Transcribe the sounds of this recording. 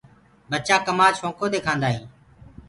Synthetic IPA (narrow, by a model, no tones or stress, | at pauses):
bət͡ʃãːkəmaːʃõːkʰoːd̪eːkʰãːnd̪aːɦĩː